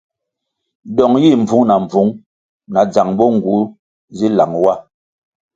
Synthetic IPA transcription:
ɗɔ˨ŋji˦˨m˨vu˨˦ŋna˨ɱ˨b͡vu˨˦ŋ | na˨d͡za˨ŋbɔ˦ŋ̩˨ɡu˨˦ | zi˦la˨ŋwa˦

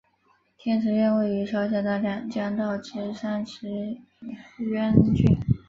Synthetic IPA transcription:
t̪ʰjɛ˥nʈ͡ʂʰɻ̩˧˥ɥɛ˥˧nwe˥˩ɪy˧˥ʂʰjɑ˥ʊɕjɛ˥˧˩t̪a˥˩ljɑ˥˩ŋt͡ɕjɑ˥ŋt̪ɑ˥˩ʊʈ͡ʂɻ̩˧˥sa˥nʂʰɻ̩˧˥ | ɥɛ˥nt͡ɕy̰˥˩n

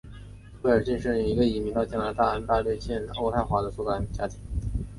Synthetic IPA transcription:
we˥˩ə˞˨˩t͡ɕi˥˧ŋʂɻə˥˩i˨˩i˧˥ɡə˧i˨˩mi˧˥t̪ɑ˥˧ʊt͡ɕjɛ˥˩la˧˥ɪt̪a˥˩ə˧˥nt̪a˥˧lwe˥˧ɪɕjɛ˥˧no˥˧ʊt̪ʰa˥˩ɪxwa˧˥d̪ə˧sɔ˥˩ka˥˩nt͡ɕja˥t̪ʰi˧˥ŋ

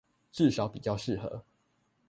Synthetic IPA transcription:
ʈ͡ʂɻ̩˥˩ʂɑ˨˧˦ʊpḭ˨˩t͡ɕjɑ˥˧ʊʂɻ̩˥˨xɤ̰˧˦

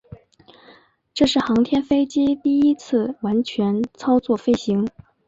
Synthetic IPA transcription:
ʈ͡ʂɤ˥˧ʂɻ̩˥˩xɑ˧˥ŋt̪ʰjɛ˥nfe˥ɪt͡ɕi˥t̪i˥˩i˥t͡sʰɹ̩˥˩wa˧˥nt͡ɕʰɥɛ˧˥nt͡sʰɑ˥ʊt͡swɔ˥˩fe˥ɪɕi˧˥ŋ

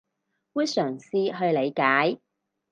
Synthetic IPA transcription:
fuː˥sœː˨˩ŋsiː˧ɦɵ˧ɥle˨˧jkaː˨˥j

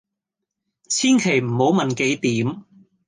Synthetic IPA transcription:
t͡sʰiː˥nkʰe˨˩jm̩˨˩ho˨˥wmɐ˨˩nke˨˥jt̪iː˨˥m

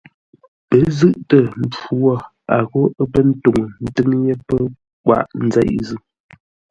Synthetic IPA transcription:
pə˨˦zɨ˦˨ʔtə˨n̩˨t͡ʃu˦wɔ˦˨ | a˨ɣo˦ə˦pə˦n̩˦to˨ŋ˨n̩˨tɨ˦ŋje˦pə˦ | kwa̰˦˨ʔn̩˦zɛ̰˦˨ʔzʉ˦˨

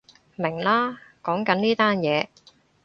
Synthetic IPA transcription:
mɪ˨˩ŋlaː˥kɔː˨˥ŋkɐ˨˥niː˥t̪aː˥njɛː˨˧

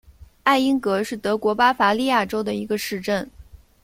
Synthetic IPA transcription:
a˥˩ɪi˥ŋkɤ˧˥ʂɻ̩˥˩t̪ɤ˧˥kwɔ˧˥pa˥fa˧˥li˥˧ja˥˩ʈ͡ʂo˥ʊd̪ə˨i˧˥ɡə˧ʂɻ̩˥˧ʈ͡ʂə˥˩n

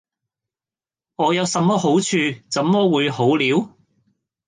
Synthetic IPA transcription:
ŋɔː˨˧jɐ˨˧wsɐ˨˧mːɔː˥ɦo˨˥wt͡ʃʰyː˧t͡sɐ˨˥mːɔː˥wuː˨˧jho˨˥wliː˨˥w

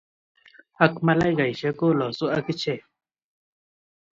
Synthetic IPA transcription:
a˦kma˦la˦jɡa˨jʃe˦ko˦˨lɔ˨su˦a˦ki˦t͡ʃe˦˨

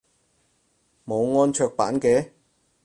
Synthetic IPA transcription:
mo˨˧wŋɔː˧nt͡ʃʰœː˧k̚pa̰ː˨˥nkɛː˨˥

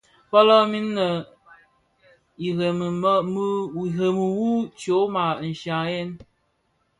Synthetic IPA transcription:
pɔ˦lɔ˦mi˦nːə˨ | i˨ɣe˨mə˨m˦m˦˨ɣe˨mə˨wu˦t͡ʃo˨˦ma˨n̩˨ʃa˨je˦n

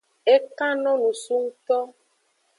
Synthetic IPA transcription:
e˦ka˦nɔ̃˦nũ˨su˦ŋ̩˦t̪ɔ˦

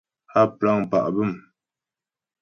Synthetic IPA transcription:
a˦pa˦˨ŋ˨pa̰˨ʔbə˦˨m

